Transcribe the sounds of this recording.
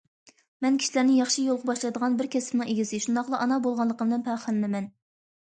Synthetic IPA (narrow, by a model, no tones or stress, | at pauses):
mɛnkʲʰi̥ʃilæɾnɪŋjɑχʃijolˠʁɑbɑʃlˠɑjd̪əʁɑnbɪɾkʲɛsɪ̥pnɨŋeɡʲisɪʃund̪ɑχlˠɑʔɑnɑbolˠʁɑnlˠːəqəbəlɛnpʰæχælnɪmɛn